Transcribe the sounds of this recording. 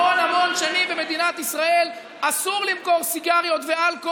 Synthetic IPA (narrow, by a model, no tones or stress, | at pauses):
onhamo̞nʃanimbeme̞d̪inat̪isʁae̞l | asuʁlimko̞ʁsiɡaʁjo̞t̪vealko